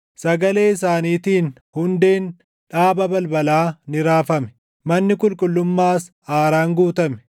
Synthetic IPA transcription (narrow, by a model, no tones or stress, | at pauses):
sɐɡɐle̞ːɪsaːniːt̪iːn | hʊnd̪e̞ːn | ᶑaːbɐbɐlbɐlaːnɪɾaːfɐmɛ̥ | mɐnːɪkʼʊlkʼʊlːʊmːaːs | aːɾaːŋɡuːt̪ɐmɛ̥